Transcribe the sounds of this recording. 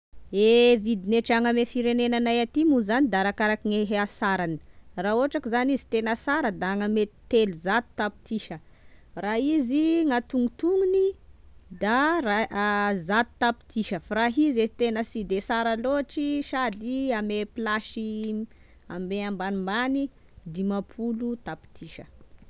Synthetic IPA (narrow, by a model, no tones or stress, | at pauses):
evid̪ineʈ͡ʂaŋamefiɾenenanajat̪imuzanid̪aɾakaɾakiŋeɦeasaɾani̥raoaʈ͡ʂakizanizi̥t̪enasaɾəd̪aːŋame̥t̪eluzat̪u̥t̪api̥t̪iʃə | raiziŋat̪uŋit̪uŋunid̪arazat̪u̥t̪api̥t̪iʃəfaɾaɦizet̪enəsid̪esaɾaloaʈ͡ʂiʃad̪iamepilaʃi | ambeambanimani | d̪imapʰulut̪api̥t̪ʰiʃə